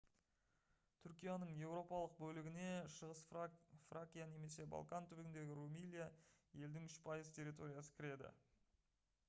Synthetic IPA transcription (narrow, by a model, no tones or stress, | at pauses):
t̪ʰʏɾkʲijanəɴje̞wɾo̞pɑlˠəq̚bɵlɪɡʲɪne̞ʃəʁəsfrakʲijane̞me̞se̞ba̰lˠkant̪ʰʏɾɪɡɪnd̪e̞ɡʲɪɾumilʲijaje̞ld̪ɪŋʏʃpʰɑjəzt̪ʲʰe̞ɾːijt̪o̞ɾijasə̥kʲɪɾe̞d̪ɪ̰